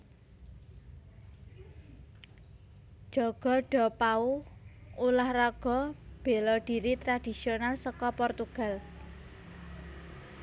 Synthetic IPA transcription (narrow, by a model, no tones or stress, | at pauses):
d͡ʒ̥ɔɡ̥ɔ̤ɖ̥ɔ̤pau | ulahraɡ̥ɔ̤b̥e̤lɔɖ̥i̤ɾit̪ɾad̥i̤sionalsɔkɔpɔrt̪uɡ̥a̤l